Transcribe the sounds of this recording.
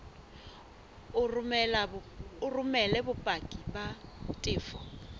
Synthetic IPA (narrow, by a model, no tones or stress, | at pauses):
lʊrʊmɛlɛbʊpʼakʼibatʼɪːfɔ